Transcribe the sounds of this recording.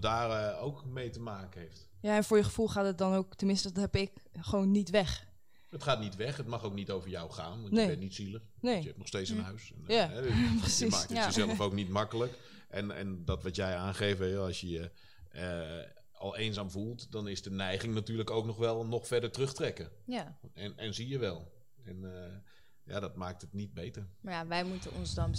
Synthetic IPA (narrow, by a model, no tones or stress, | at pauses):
daːrəowkmejtəmaːkəɦejft | jaːɛnfʊːɹjəχəfulˠχaːtət̚dɔnowktənmɪnstəɦɛpɪkχəʋownːitʋɛχ | ətχaːtnitʋɛχət̚mɑχowk̚nitowvəɹjawχaːnʋɑntnnbɛntnitsiləχnejəɛptnɔχsteːt͡ssənɦœɥsɛnjaɛprəsism̰ːkəzɛləfowknitmɑkələk | ɛnɛ̰ndɔtʋɑtjɛjaːnχeːvəjɔɑsjəjə | ɔlˠeːnzaːmvulˠtdɔnɪsdənɛjχɪŋnatyːrləkowknɔxʋɛlˠnɔxfɛrdəɹtrøxtrɛkə | ɛnɛnzijəʋɛlˠ | ɛn | ja̰dɔtmaːk̚tətnit̚bejtəraʋɛjmutəɔnzdɔn